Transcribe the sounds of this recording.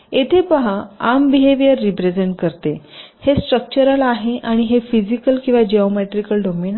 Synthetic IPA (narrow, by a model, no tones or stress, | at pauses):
et̪ʰepəɦaambiɦeʋijəɾːipɾed͡zeɳʈ̚kəɾt̪ehesʈɾək̚t͡ɕəɾəlaɦeʔaɽ̃iɦefid͡ʑikəlkĩw̃ʋad͡ʑeomeʈɾikəlɖɔmen